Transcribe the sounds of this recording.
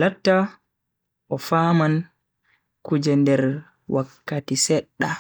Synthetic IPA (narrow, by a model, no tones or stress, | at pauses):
latːa | ʔɔfaːman | kud͡ʒɛndɛɾ | wakːatisɛɗːa